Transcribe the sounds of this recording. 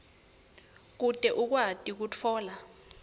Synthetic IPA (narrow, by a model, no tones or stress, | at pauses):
k̬utʼɛʔuk̬watʼik̬ut͡fʰɔːla